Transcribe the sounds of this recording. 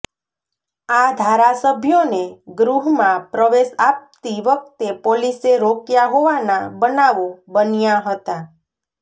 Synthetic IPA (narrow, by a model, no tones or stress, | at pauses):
ad̪ʱaɾasəbʱjoneɡɾuɦmãpɾəʋeʃap̚t̪iʋək̚t̪epoliseɾokjaɦoʋanabənaʋobənjaɦət̪a